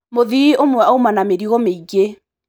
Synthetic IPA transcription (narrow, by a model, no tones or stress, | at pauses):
moðiomwɛaumanameɾiɣɔmeiɣe